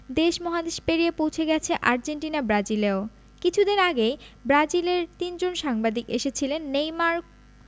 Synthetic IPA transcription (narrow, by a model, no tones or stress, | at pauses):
d̪eʃmɔɦad̪eʃpeɾijepowt͡ɕʰeɡɛt͡ɕʰeʔaɾd͡ʑeɳʈinabɾad͡ʑileo | kit͡ɕʰud̪eɾaɡejbɾad͡ʑileɾt̪ind͡ʑonʃaŋbad̪ikeʃet͡ɕʰilenːejmaɾk